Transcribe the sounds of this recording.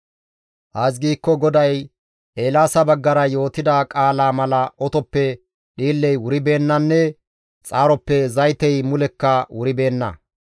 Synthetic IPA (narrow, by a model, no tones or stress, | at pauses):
haːs̬ɡiːkːɔɡɔd̪ɐj | ʔeːlaːsɐbɐɡːɐɾɐjo̞ːt̪ɪd̪aːkʼaːlaːmɐlɐʔɔt̪ɔpːɛ | ɗiːlːɛjwʊɾɪbe̞ːnːɐnːɛ | t͡sʼaːɾɔpːɛzɐjt̪ɛjmʊlɛkːɐwʔʊɾɪbe̞ːnːɐ̰